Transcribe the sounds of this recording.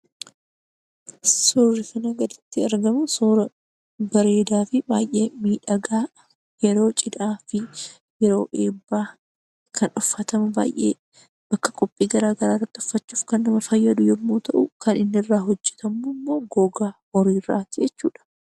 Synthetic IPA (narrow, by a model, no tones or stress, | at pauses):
soːrːɪkɐnɐɡɐd̪ɪt̪ːɪɐɾɡɐmʊsoːɾɐ | bɐɾe̞ːd̪aːfɪba̰ːjʔe̞ːmiːᶑɐɡaː | jɛɾo̞ːt͡ʃʼɪd̪aːfɪ | jɛɾo̞ːʔe̞ːbːaː | kʰɐnʊfːɐt̪ɐmɐba̰ːjʔe̞̰ː | b̥ɐkːɐ̥kʼɔpʼːiːɡɐɾaːɡɐɾaːrːɐt̪ːɪʊ̥fːɐt͡ʃːuːfkɐnːɐmɐfɐjːɐd̪ʊjɛmːuːt̪ɐʔʊkɐnɪnːrːaːɦɔd͡ʒːɛ̥t̪ɐmːumːoːɡoːɡaː | ɔɾiːrːa̰ːt̪ɪd͡ʒɛt͡ʃːuːᶑɐ̥